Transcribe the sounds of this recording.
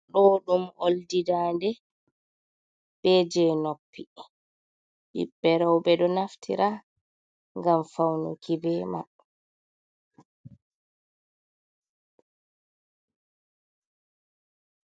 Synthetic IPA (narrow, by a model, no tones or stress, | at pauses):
ɗɔɗumoldidaːndɛ | b̥ɛd͡ʒɛnopʰːi | ɓḭbːɛɾawbɛɗɔnaftʰḭɾa | ŋɡamfawnṵkʰibɛma̰